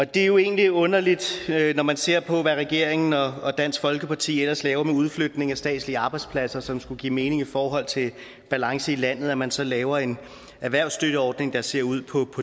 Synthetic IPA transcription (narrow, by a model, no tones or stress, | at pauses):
ɒ̽d̥e̝jo̝e̝̰ːnliɔ̽nɐlid̥nɒmænse̝ɐ̰pʰɒ̽ʋæʁɛɡ̥e̝ɐ̰eŋn̩ɒ̽ːd̥æn̰sɡ̥fɒ̽lɡ̥əpʰɑ̈t͡sʰḭːelɐslɛːʊɐmeuð̞ˠflød̥ne̝ŋæsd̥ɛ̰ːd̥sliəɑ̈b̥ɑ̈ɪdspʰlæsɐsɒ̽msɡ̥uɡ̥ḭːme̝ːne̝ŋifɒːɦɒ̽l̰t͡sʰe̝ | b̥ælɑ̈ŋsəilæn̰ð̞̩ˠæmænsɒ̽lɛːʊɐe̝n | æʋæɐ̰ʊsd̥ød̥əɒːd̥ne̝ŋd̥ɑ̈se̝ɐ̰uð̞̰ˠpʰɒ̽pʰɒ̽